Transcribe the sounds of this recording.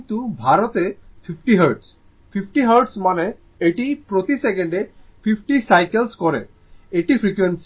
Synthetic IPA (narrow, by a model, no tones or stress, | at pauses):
t̪ubʱaɾɔt̪epʰipʰʈiɦəɾɖs | pʰipʰʈiɦəɾɖsmane | eʈipɾot̪isekeɳɖepʰipʰʈisajkelskɔɾḛ | eʈipʰɾikweɳʈsi̥